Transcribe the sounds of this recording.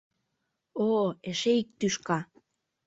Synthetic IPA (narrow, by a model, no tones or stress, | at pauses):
oeʃeik̚t̪yʃkɑ